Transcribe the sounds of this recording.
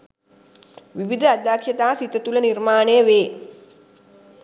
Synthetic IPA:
ʋiʋid̪ʱəad̪akʂət̪aːsit̪ət̪ulənirmaːnejəʋeː

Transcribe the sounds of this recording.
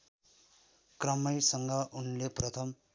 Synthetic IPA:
krʌmʌjsʌŋɡʌʔunleprʌt̪ʰʌm

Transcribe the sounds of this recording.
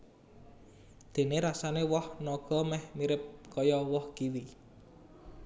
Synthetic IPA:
d̪̥e̤neɾasanewɔhnɔɡ̥ɔ̤mɛhmiɾɪp̚kɔjɔwɔhɡ̥iwi

